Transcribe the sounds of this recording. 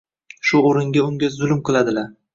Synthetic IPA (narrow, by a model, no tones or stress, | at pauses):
ʃʊoɾɪŋɡʲaʊŋɡʲazʊlmqɨlˠad̪ɪlaɾ